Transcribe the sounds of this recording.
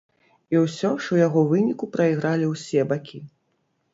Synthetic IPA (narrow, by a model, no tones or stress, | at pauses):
iwsʲɔʂujaɣɔvɨnʲikupɾɐiɣɾalʲiwsʲɛbakʲi